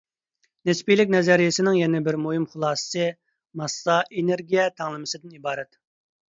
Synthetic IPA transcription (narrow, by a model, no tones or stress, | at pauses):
nɪspijlɪk̚ʲnɛzɛɾijɪsɪnɪŋjɛnɪbɪɾmuhɨmχʊlˠɑːsɨ̥sɨ | mɑsːɑʔeneɾɡʲijɛt̪ʰæŋlˠɨmɨsɨd̪ɪnibɑːɾɛt̪